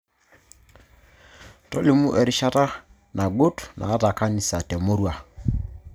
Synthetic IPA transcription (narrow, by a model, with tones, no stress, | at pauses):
tɔ˦li˦mu˦ʔɛ˨ɾɪ˦ʃa˦ta˦ | nʔa˨ɡo˦tnʔa̰ː˨˦ta˨ka˦ni˨sa˨tɛ˨mo˦ɾwa˨